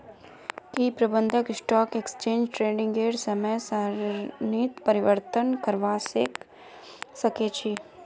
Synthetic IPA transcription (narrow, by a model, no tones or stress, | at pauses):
kiːpɾɐbə̃nd̪ʱəkɪsʈɔːkeksə̥t͡ʃẽːnd͡ʒʈɾeːɖɪ̃ŋɡeːɖsɐməjsaniːt̪pəɾɪʋəɾt̪ənkəɾʋaːsek | sɐket͡ʃʰi